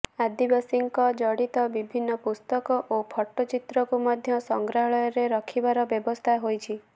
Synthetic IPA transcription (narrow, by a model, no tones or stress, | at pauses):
ad̪ibasiŋkɔd͡ʒɔɽit̪ɔbibʱinːɔpust̪ɔkɔʔopʰɔʈːɔt͡ʃit̪ɾɔkumɔd̪ʱjɔsɔŋɡɾaɦɔɭɔjɔɾeɾɔkʰibaɾɔbjɔbɔst̪ʰaɦojt͡ʃʰi